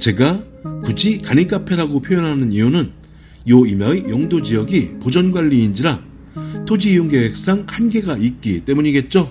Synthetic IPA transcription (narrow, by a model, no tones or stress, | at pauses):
t͡ɕe̞ɡa | kud͡ʑikanik͈apʰe̞ɾaɡopʰjojʌnɦanɯniunɯn | jʌimjʌijʌŋdod͡ʑijʌɡipod͡ʑʌnɡwaʎːiːnd͡ʑiɾa | tʰod͡ʑijuŋɡewek̚s͈aŋhanɡe̞ɡait̚k͈it͈e̞muɲiɡe̞t̚t͡ɕ͈o